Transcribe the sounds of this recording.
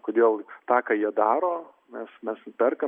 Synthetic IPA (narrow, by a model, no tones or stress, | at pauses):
koːd̪ʲeːlˠt̪ɑːkɑːjiɛd̪ɑːɾoː | mʲɛsmʲɛspʲɛrkɐ